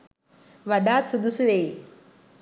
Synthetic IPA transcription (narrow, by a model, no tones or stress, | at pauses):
ʋɐɖaːt̪sud̪usuʋej